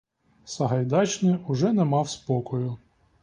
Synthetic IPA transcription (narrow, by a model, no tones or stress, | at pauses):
sɐɦɐjd̪ɑt͡ʃnɪʊʒɛnɛmɑwspɔkɔjʊ